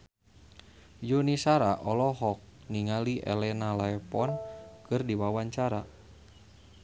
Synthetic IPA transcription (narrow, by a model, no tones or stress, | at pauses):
junisaɾaʔɔlɔɦɔk̚niŋaliʔɛ̰lɛnalaɛpɔnkɨrdiwawaɲt͡ʃaɾa